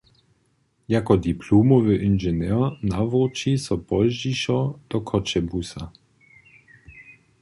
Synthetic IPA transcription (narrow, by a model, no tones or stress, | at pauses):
jakɔd̪ipʰluːmɔvøʔinʒɛnɛnavɔt͡ʃisɔpɔlʒiʃɔd̪̥ɔkʰɔt͡ʃɛbusa